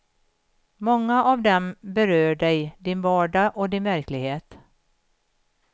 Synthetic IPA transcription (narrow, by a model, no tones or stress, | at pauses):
mɔŋːaʔɑvd̪ɛmbɛɾøːɖɛjd̪ɪnvɑːɖɑʔɔd̪ɪnvæɾklɪɡheːt̪